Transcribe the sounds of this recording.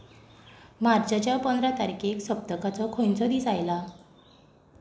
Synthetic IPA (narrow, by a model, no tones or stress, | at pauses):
maɾd͡zat͡ɕjapənd̪ɾat̪aɾikeksəp̚t̪əkat͡sɔkʰont͡sɔd̪iːsajla